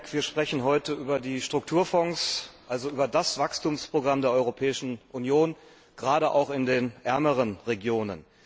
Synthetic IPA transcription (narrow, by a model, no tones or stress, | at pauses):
kv̥iːɐʃpʁ̥ɛçn̩ɦɔʏtəʔyːbɐdiːʃtʁ̥ʊk̚tʰuːɐfɔŋsʔalzoʔyːbɐdasv̥akstuːmspʁ̥oɡʁamdeːɐɔʏʁopʰɛːɪʃn̩ʔunjoːn | ɡ̥ʁaːɾəʔa̰ʊxɪndeːnʔɛɐməʁ̞ənʁeɡjoːnə̰n